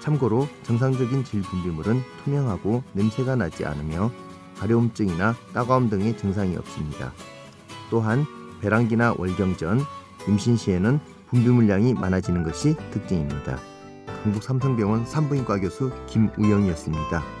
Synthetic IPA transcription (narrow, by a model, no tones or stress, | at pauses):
t͡ɕʰamɡʌɾot͡ɕʌŋs̬ʰaŋd͡ʑʌɡint͡ɕiʎpumbumuɾɯntʰumjʌŋɦaɡonɯmsʰe̞ɡanad͡ʑia̰nɯmjʌ | kaɾjʌumt͡ɕ͈ɯŋinat͈aɡaumdɯŋe̞t͡ɕʌŋsʰaŋiʌ̰p̚s͈ɯmɲida̰ | t͈oɦanpe̞ɾaŋɡinawʔʌɭɡjʌŋd͡ʑʌn | jumɕʰinɕʰienɯn | pumbumuɭjaŋima̰nad͡ʑinɯnɡʌɕʰitɯk̚t͡ɕ͈ɯŋimɲida̰ | kaŋbuk̚s͈ʰamsʰʌŋbjʌŋɯnsʰambɯink͈aɡjʌsʰukimujʌŋiʌs͈ɯmɲid̥a